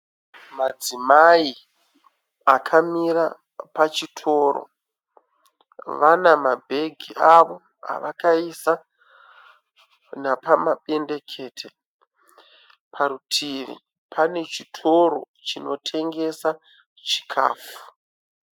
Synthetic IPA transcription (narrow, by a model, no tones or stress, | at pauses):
mad͡zimai | akʰamiɾa | pat͡ʃitʰo̞ːɾo̰ | ʋanamabʱe̞ɡʱiaʋo̞ | a̰ʋakaisa | napamaɓe̞nde̞kʰe̞ːtʰe | pʰaɾutʰiʋḭ | pʰane̞t͡ʃitʰo̞ɾo̞̰ | t͡ʃino̞tʰe̞ŋɡe̞sa | t͡ʃi̥kʰa̰ːfu̥